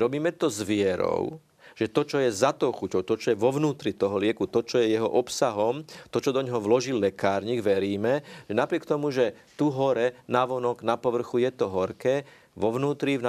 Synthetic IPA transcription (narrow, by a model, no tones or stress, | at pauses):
ɾɔbiːmɛt̪ɔzʋɪɛɾɔ̰ʊ | ʒ̥ɛt̪ɔt͡ʃɔjɛzat̪ɔxucɔʊt̪ɔt͡ʃɔjɛʋɔʋnuːt̪ɾit̪ɔɦɔlɪɛkut̪ɔt͡ʃɔjɛjɛɦɔʔɔpsaɦɔmt̪ɔt͡ʃɔd̪ɔɲɦɔʋlɔʒilːɛkaːɾɲiːɡʋɛɾiːmɛʒɛnapɾɪɛkt̪ɔmuʒɛ | t̪uɦɔɾɛnaʋɔnɔɡnapɔʋr̩xujɛt̪ɔɦɔɾkɛː | ʋɔʋnuːt̪ɾin